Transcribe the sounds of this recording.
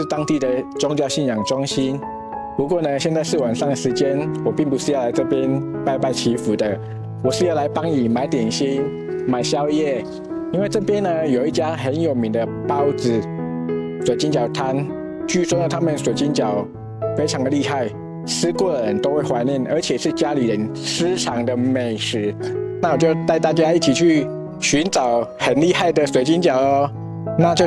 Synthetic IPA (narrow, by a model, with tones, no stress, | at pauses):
ʂɻ̩˥˩t̪ɑ˥ŋt̪i˥˩d̪ə˨ʈ͡ʂʊ˥ŋt͡ɕjɑ˥˧ʊɕi˥˩njɑ˨˩ŋʈ͡ʂʊ˥ŋɕi˥n | pu˧˥k̬wɔ˥˩nə˧ɕjɛ˥˧nt͡sa˥˧ɪʂɻ̩˥˩wa˨˩nʂɑ˥˩ŋdə˩ʂɻ̩˧˥t͡ɕjɛ˥nwɔ˨˩pi˥˩ŋp̬u˧˥ʂɻ̩˥˧jʊa˧˥ɪʈ͡ʂɤ˥˧˩pjɛ˦˥n | pa˥˧ɪpa˥˩ɪt͡ɕʰi˧˥fu˨˩d̪ə˦ | wɔ˨˩ʂɻ̩˥˧jɑ˥˩ʊla˧˥ɪpɑ˥ŋi˨˩ma˧˥ɪt̪jɛ˨˩nɕi˥n | ma˨˩ɪɕjɑ˦˥ʊjɛ˥˩ | i˥nwe˥˧ɪʈ͡ʂɤ˥˩pjɛ˥nːə˧jo˨˩ʊi˥˩t͡ɕja˥xə˧˦njo˨˩ʊmi˨˥ŋd̪ə˧pa˥ʊt͡sɹ̩˨˩ | swe˨˩ɪt͡ɕi˥nt͡ɕjɑ˨˩ʊt̪ʰa˥n | t͡ɕʰy˥˩swɔ˥d̪ə˨˩t̪ʰa˥mə˨nswe˨˩ɪt͡ɕi˥nt͡ɕjɑ˨˩˦ʊ | fe˥ɪʈ͡ʂʰɑ˧˥ŋd̪ə˨li˥˧xa˥˩ɪ | sɹ̩˥kwɔ˥˩ə˨ɻə˧˦nt̪o˥ʊxwe˥˩ɪxwa˧˥ɪni˥˩nə̰˞˧˥t͡ɕʰjɛ˨˩ʂɻ̩˥˩t͡ɕja˥li˨˦ɻə˧˦nsɹ̩˥ʈ͡ʂʰɑ˨˥ŋd̪ə˧˨me˨˩ɪʂɻ̩˧˥na˥˩wɔ˨˩t͡ɕjo˥˧ʊt̪a˥˧ɪt̪a˥˩t͡ɕja˥i˥˩t͡ɕʰi˨˩t͡ɕʰy˥˩ | ɕy˧˥nʈ͡ʂɑ˨˩˦ʊhə˨˩nli˥˧xa˥˩ɪd̪ə˨swe˧˥ɪt͡ɕi˥nt͡ɕjɑ˨˩˦ʊə˦ | na˥˧t͡ɕjo˥˧